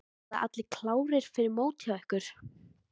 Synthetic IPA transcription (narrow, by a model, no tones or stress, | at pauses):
a̰ʔa̰t̪lɪkʰlaːwɾɪɾ̥fɪɾɪɾmoːwt̪ʰjaɛhkʏɾ̥